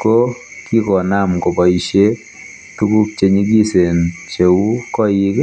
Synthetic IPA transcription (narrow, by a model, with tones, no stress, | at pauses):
ko˦ki˦kɔ˨na˦˨mko˨bɔ˨i˨ʃe˦ | tu˦ku˦kt͡ʃe˨ɲi˦ɡi˦se˨nt͡ʃe˨wu˦kɔ˦ji˦k